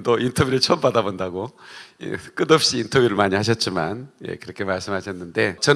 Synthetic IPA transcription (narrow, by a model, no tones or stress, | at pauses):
t͈ointʰʌbjuɾɯɭt͡ɕʰompadabondaɡoḛk͈ɯdʌp̚ɕ͈iːntʰʌbjuɾɯɭmaɲihaɕ̬ʰʌt̚t͡ɕ͈ima̰njḛkɯɾʌkʰe̞maɭs͈ɯmɦaɕʰʌnːɯnde̞t͡ɕʌ